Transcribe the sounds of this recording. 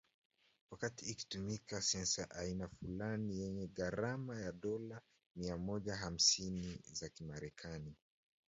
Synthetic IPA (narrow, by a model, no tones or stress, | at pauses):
wakatiːki̥tumikasɛnsaʔainafulanijɛɲɛɠaɾamajaɗɔla | miamɔʄaɦam̩sinizakimaɾɛkʰani